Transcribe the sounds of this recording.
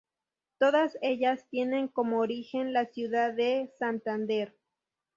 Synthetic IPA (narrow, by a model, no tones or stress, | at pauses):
t̪oðaseʎast̪jeneŋkomoːɾixenlasjuðaðesant̪and̪eɾ